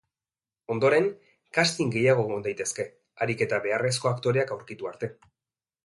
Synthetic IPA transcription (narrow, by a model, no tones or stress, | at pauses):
o̞nd̪o̞ɾe̞ŋ | kast̪iŋɡe̞jaɣ̞o̞ɣond̪ajt̪e̞ske̞ | aɾike̞t̪aβe̞are̞s̬ko̞akt̪o̞ɾe̞akawɾkit̪uaɾt̪e̞